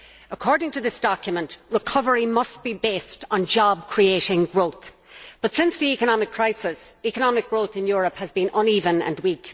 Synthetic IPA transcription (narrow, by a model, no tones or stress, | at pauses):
əkʰɔɹdɪ̃ŋtʰəðɪsd̥ɑkjəmə̃nʔɹɪkʰʌvəɹimʌs̚b̥ibeːstn̩d͡ʒɑb̚kʰɹ̥ieɪɾɪ̃ŋɡɹoʊθ | b̥ʌtsɪ̃nsðiikənɑmɪkʰːɹ̥aɪsɪsikənɑmɪk̚ɡ̥ɹoʊθɪ̃njʊːɹəphəzbĩnʔə̃nivə̃nə̰̃nwik